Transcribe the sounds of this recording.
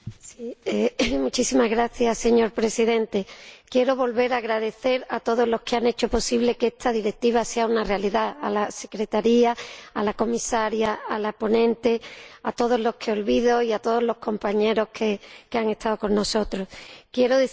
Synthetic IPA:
siemut͡ʃisimazɣɾaθjasːe̞ɲo̞ɾpɾe̞siðẽ̞nt̪e̞kje̞ɾo̞βo̞lβe̞ɾaːɣɾaðe̞θe̞ɾat̪o̞ð̞o̞zlo̞ske̞ane̞t͡ʃo̞po̞siβle̞keest̪ʰaðiɾek̚t̪iβ̞ase̞aunarealiðaa̰lase̞kɾe̞t̪aɾiaːlako̞misaɾjaalapo̞nẽ̞nt̪e̞at̪o̞ð̞o̞zlo̞skʰe̞o̞lβiðo̞iat̪o̞ð̞o̞zlo̞hko̞mpaɲe̞ɾo̞kʰekeaŋe̞st̪aðoko̞nːo̞so̞t̪ɾo̞skje̞ɾoðe

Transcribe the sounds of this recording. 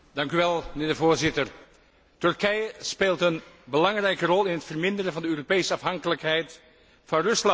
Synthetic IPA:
d̥ɑŋkyʋɛlˠmənɪːɹdəvoːɹzɪtər | tɵrkɛjəspeːlˠtənbəlɑŋrɛjkərɔlˠɪnɦətfərmɪndəɾəvɑndəøːropejsəɑfɦɑŋkələkɦɛjt | fɑnrɵslɑ

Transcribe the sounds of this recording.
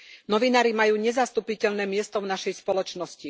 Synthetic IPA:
nɔʋinaːɾimajuːɲɛzast̪upicɛʎnɛːmɪɛst̪ɔvnaʃɛjspɔlɔt͡ʃnɔsci

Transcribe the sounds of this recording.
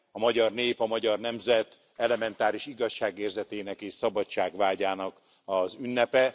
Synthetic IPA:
ɒmɒɟɒrneːpɒmɒɟɒrnɛmzɛt̪ | ɛlɛmɛnt̪aːɾiʃiɡɒʃːaːɡeːrzɛt̪eːnɛkeːʃsɒbɒtt͡ʃːaːɡʋaːɟaːnɒk | ɒzynːɛpɛ

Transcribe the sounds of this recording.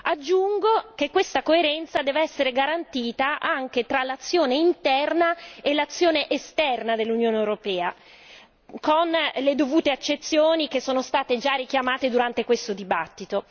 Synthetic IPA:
ad͡ʒːuŋɡok̟ekːwest̪akoeɾɛnt̪sad̪ɛːveɛsːeɾeɡaɾant̪iːt̪aʔaŋk̟et̪ɾalat̪sːjoːneint̪ɛrnaelat̪sːjoːneʔest̪ɛrnad̪elːunjoːneewɾopɛːa | konled̪ovuːt̪eat͡ʃːet̪sːjoːnikesːoːnost̪aːt̪ed͡ʒarik̟jamaːt̪ed̪uɾant̪ekwest̪od̪ibat̪ːit̪o

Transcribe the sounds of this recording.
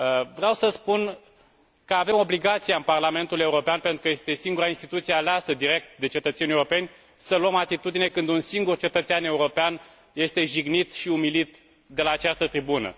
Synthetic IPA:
vɾeawsəspun | kəave̞mo̞bliɡat̪siaɨnparlame̞nt̪ule̞uɾo̞peanpent̪ɾukəje̞st̪e̞siŋɡuɾainst̪it̪ut̪siealeasəd̪iɾe̞k̚t̪̚d̪e̞t͡ʃe̞t̪ət̪senʲieuɾope̞nʲ | səluəmat̪it̪ud̪ine̞kɨnd̪unsiŋɡurt͡ʃe̞t̪ət̪seane̞uɾo̞pean | je̞st̪e̞ʒiɡnit̪ʃiumilit̪ | d̪e̞laːt͡ʃast̪ət̪ɾibunə̰

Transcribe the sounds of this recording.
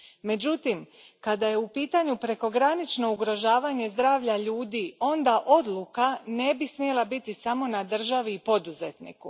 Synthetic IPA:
me̞d͡ʑut̪im | kad̪aje̞upiːt̪aɲupɾe̞ko̞ɡɾanit͡ʃno̞uɡɾo̞ʒaːʋaɲe̞zd̪ɾaːʋʎaʎuːd̪io̞nd̪aʔo̞d̪lukane̞bismije̞lˠabit̪isamo̞nad̪r̩ʒaʋiːpo̞d̪uzet̪nḭku

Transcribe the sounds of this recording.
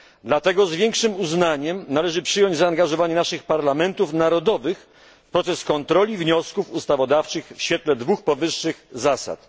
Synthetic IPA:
d̪lat̪ɛɡɔzvʲjɛŋkʂɘmuznaɲɛmnalɛʐɘpʂɘjɔɲd͡ʑzaːŋɡaʐɔvaɲɛnaʂɘxpaɾlamɛnt̪ufnaɾɔd̪ɔvɘx | pɾɔt̪sɛskɔnt̪ɾɔlʲivɲɔskufust̪avɔd̪aft͡ʂɘxfɕfʲjɛt̪lɛd̪vuxpɔvɘʂːɘxzasa̰t̪

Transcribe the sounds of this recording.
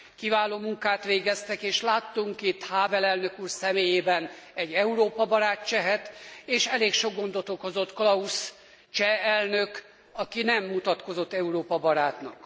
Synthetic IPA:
kivaːloːmuŋkaːt̪ʋeːɡɛst̪ɛkeːʃlaːt̪ːuŋkit̪haːvɛlɛlnø̞kuːrsɛmeːjeːbɛnɛɟːɛuɾoːpɒbɒɾaːtt͡ʃɛɦɛt̪eːʃɛleːkʃo̞ɡːo̞nd̪ot̪oko̞zo̞t̪klɒus | t͡ʃɛɛlnøk | ɒkinɛmːut̪ɒt̪ko̞zo̞t̪ːɛuɾoːpɒbɒɾaːt̪nɒ̰k

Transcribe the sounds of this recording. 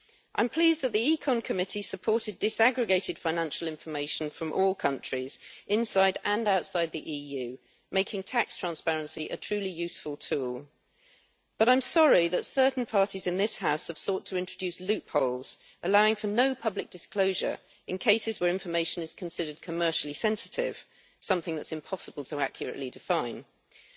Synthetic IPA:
ʔãɪ̃mpʰl̥iːzðəʔ̪̚ðiikʰɒ̃nkʰəmɪtisəpʰɔˑtɪdɪsæɡɹɨɡeɪtɪd̥fãɪ̃næ̃nʃəlˠɪ̃ɱfəmeɪʃə̃n̩fɹə̃mʔɔːlˠkʰʌ̃nt͡ʃɹ̥iz̥ʔɪ̃nsaɪɾə̃naʊtsaɪd̪̚ðiʔiːjʉ | meɪkʰɪ̃ŋtʰakstʰɹ̥æ̃nspæɹə̃nsiʔə̰tʰɹ̥ʉːlijʉˑsfəlˠtʰuːlˠ | b̥ʌɾãɪ̃msɒɹiðətsɜ˞ʔn̩pʰɑɹtizɨ̃nðɪshaʊshəv̥sɔˑtʰəɪ̃nt͡ʃɹ̥əd͡ʒʉˑslʉˑppʰoʊlˠz̥ | ʔəlaʊɪ̃ŋfənoʊpʰʌblɪk̚d̥ɨskl̥oʊʒə̰˞ | ɨ̃nkʰeɪsɨzwə˞ɪ̃ɱfəmeɪʃɨ̃nɨz̥kʰə̃n̩sɪɾəd̚kʰəmɜˑ˞ʃl̩ˠisɛ̃nsɪtʰɪ̰v̥ | sʌ̃mθɪ̃ŋðətsɨ̃mpʰɒsəbəlˠtʰəæ̰kʰjəɹɨ̰ʔlidɪfãɪ̃n

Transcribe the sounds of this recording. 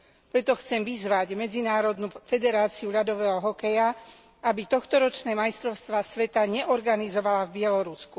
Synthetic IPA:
pɾɛt̪ɔxt͡sɛmʋizʋaɟmɛd͡zinaːɾɔd̪nufɛd̪ɛɾaːt͡siuʎad̪ɔʋɛːɦɔɦɔkɛja | abit̪ɔxt̪ɔɾɔt͡ʃnɛːmajst̪ɾɔʊst̪ʋaːsʋɛt̪aɲɛʔɔɾɡanizɔʋalavbɪɛlɔɾusku

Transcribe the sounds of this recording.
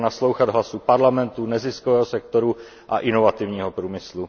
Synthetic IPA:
naslo̞wxad̪ɦlasupaɾlamɛnt̪unɛzɪskovɛːɦosɛk̚t̪oɾu | ʔa̰ʔɪno̞vat̪ɪvɲiːɦopɾuːmɪslu

